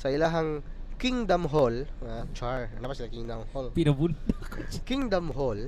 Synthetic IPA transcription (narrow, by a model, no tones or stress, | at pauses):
sɐɪlaɦɐŋkiŋd̪ɐmɦolat͡ʃaɹnapɐsɪlakiŋd̪ɐmholpɪnɐbund̪akot͡ʃkiŋd̪ɐmɦol